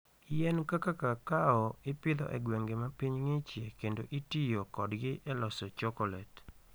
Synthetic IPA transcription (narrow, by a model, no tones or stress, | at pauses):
jɛnkakakakaɔɪpɪd̪ɔ̰ʔɛɡweŋɡemapiɲŋɪt͡ʃjekendoʔitijokɔdɡɪʔɛlɔsɔt͡ʃɔkɔlɛt